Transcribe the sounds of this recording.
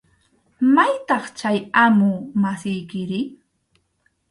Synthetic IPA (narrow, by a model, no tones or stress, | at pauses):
majt̪ɑχt͡ʃajamʊmasɪjkɪɾɪ